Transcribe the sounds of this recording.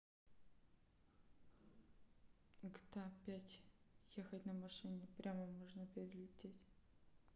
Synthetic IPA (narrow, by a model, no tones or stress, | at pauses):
ɡt̪apʲætʲjexətʲnəmɐʂɨnʲɪpɾʲaməmoʐnəpʲɪɾʲɪlʲɪtʲetʲ